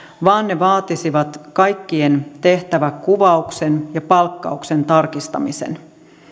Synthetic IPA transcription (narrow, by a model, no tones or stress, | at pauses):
ʋɑːnːeʋɑːt̪isiʋɑt̪kɑjkːient̪e̞ht̪æʋækkuʋɑuksenjɑpɑlkːɑ̰ukse̞nt̪ɑrkist̪ɑ̰mise̞̰n